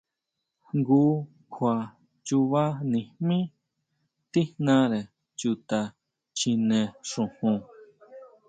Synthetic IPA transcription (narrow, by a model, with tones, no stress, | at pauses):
ŋɡu˦ | kʰʷa˨ | t͡ʃu˧βa˦nĩ˧mĩ˦ | t̪i˦nã˧ɾe˨ | t͡ʃu˧t̪a˧ | t͡ʃĩ˧nẽ˧ʂũ˨hũ˧